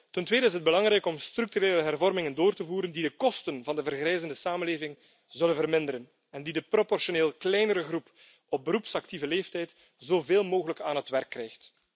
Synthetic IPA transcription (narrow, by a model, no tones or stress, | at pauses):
təntweːdəɪs̬ɦəd̚bəlɑŋɾɛjkɔmstɾyk̚tyɾeːləɦɛrvɔrmɪŋəndoːrtəvuːɾəndidəkɔstənvɑndəvərɣrɛjzəndəsaːmənleːvɪŋ | zɵlənvərmɪndəɾən | ɛndidəpropɔrʃoneːlˠklɛjnəɾəɣrup | ɔb̚bəɾupsɑktivəleːftɛjt | z̥oːveːlˠmoːɣələkaːnɦətwɛrkːrɛjxt